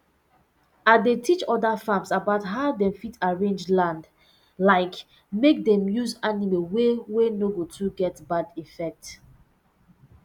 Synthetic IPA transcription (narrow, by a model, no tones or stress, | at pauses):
adetʰit͡ʃɔdafãmsabaʊtɦaʊdɛ̃mfitaɹẽnd͡ʒlãnd | laɪk | mek̚dɛ̃mjuzanimewewenoɡotʰuɡɛtbadifɛk̚t